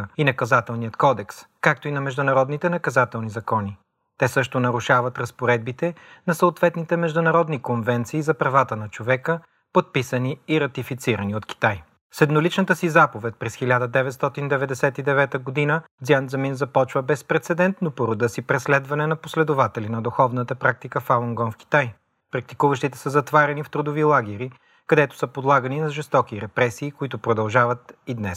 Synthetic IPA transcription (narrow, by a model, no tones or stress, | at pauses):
inɐkɐzat̪ɛlˠnijət̪kɔd̪ɛkskak̚t̪oinɐmɛʒd̪ʊnɐɾɔd̪nit̪ɛnɐkɐzat̪ɛlˠnizɐkɔni | t̪ɛsɤʃt̪onɐɾuʃavɐt̪ɾɐspoɾɛd̪̚bit̪ɛnɐsəot̪vɛt̪nit̪ɛmɛʒd̪ʊnɐɾɔd̪nikonvɛnt̪siːzɐpɾɐvat̪ənɐt͡ʃovɛkə | pot̪̚pisəniiɾɐt̪ifit̪siɾəniot̪ki̥t̪aj | sɛd̪nolit͡ʃnət̪əsizapovɛt̪̚pɾɛsxilʲad̪əd̪ɛvɛt̪st̪ɔt̪ind̪ɛvɛd̪ɛsɛt̪id̪ɛvɛt̪əɡod̪inəd̪ziand̪zɐminzɐpɔt͡ʃvəbɛspɾɛt̪sɛd̪ɛnt̪nopoɾod̪əsipɾɛslɛd̪vɐnɛnɐposlɛd̪ʊvat̪ɛlinɐd̪ʊxɔvnət̪əpɾak̚t̪ikəfalˠoŋɡɔnfkʲi̥t̪aj | pɾɐk̚t̪ikuvəʃt̪it̪ɛ̥səzɐt̪vaɾɛnift̪ɾʊd̪ovilˠaɡʲɛɾi | kɐd̪ɛt̪ʊ̥səpod̪lˠaɡəninɐʒɛst̪ɔkiɾɛpɾɛsiːkoit̪ʊpɾod̪ɐlˠʒavət̪id̪nɛ̰s